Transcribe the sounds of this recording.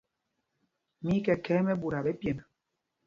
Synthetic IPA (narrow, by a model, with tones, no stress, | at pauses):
mi˦kɛ˨kɛː˦mɛ˦bu˨ɾa˨bɛ˦pje˨na˨